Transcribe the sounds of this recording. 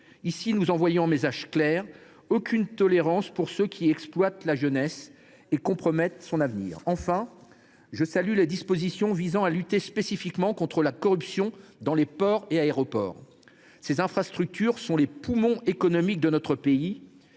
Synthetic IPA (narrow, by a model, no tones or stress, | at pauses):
isinuzɑ̃vwajɔ̃ɛ̃mezaʒklɛʁ | okʲʰynt̪ɔleʁɑ̃spuʁsøkʲʰiɛksplwat̪laʒənɛs | ekɔ̃pχɔmɛt̪sɔ̃navnḭːʁɑ̃fɛ̃ | ʒəsalyled̪ispozisjɔ̃vizɑ̃alyt̪espesifikmɑ̃kɔ̃t̪χəlakɔʁypsjɔ̃d̪ɑ̃lepɔʁeaeʁɔpɔ̰ːʁ | sezɛ̃fχast̪χyk̚t̪ʰyʁsɔ̃lepumɔ̃ekɔnɔmik̚d̪ənɔt̪χəpei